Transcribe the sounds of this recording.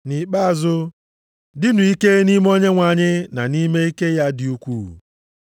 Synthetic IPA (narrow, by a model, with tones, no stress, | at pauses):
ni˨k͡pa˦˨zʊ˦ | dɪ˦nu˨i˦ke˦ni˦m˦o˦ɲe˦ŋʷa˨ɲɪ˦na˨ni˦me˦i˦ke˦ja˦dɪ˨u˦kʷṵː˦˨